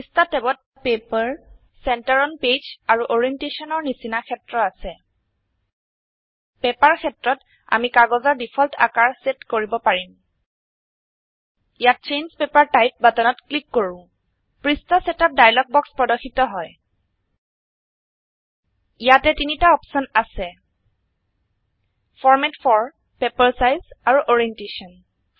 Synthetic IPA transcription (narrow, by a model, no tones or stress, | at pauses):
istatɛbɔt̚ | pepaɹ | sɛntaɹɔnped͡ʒaɹuʔoɹiɛntesɔnɔɹnisinakʰɛtɹɔasɛ | pɛpaɹkʰɛtɹɔt | a̰mikaɡɔzɔɹdipʰɔltʰa̰kaɹsetkoɹibɔpaɹim | jat̚t͡ʃejnzpepaɹtajp̚batɔnɔtklikːoɹũ | pɹistɔsɛtap̚dajlɔk̚bɔkspɹɔdɔkʰːitɔɦɔj | ijatɛtinitaɔpsɔnasɛ | fʰɔɹmɛtfʰɔɹ | pepaɹsajzaɹuʔɔɹiɛntesɔn